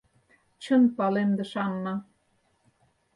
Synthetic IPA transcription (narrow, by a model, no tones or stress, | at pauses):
t͡ɕənpɑlemd̪ĕʃɑnːɑ